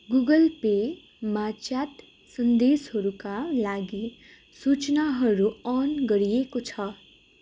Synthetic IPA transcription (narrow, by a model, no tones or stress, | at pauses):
ɡuɡʌlpe | mat͡ʃjat̪ | sʌnd̪esɦʌɾukalaɡi | sut͡snaɦʌɾuʌnɡʌɾijekot͡sʰʌ